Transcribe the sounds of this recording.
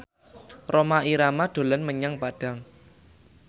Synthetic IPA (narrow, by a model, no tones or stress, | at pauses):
romaʔiɾamaɖ̪̥o̤lənməɲaŋpaɖ̥a̤ŋ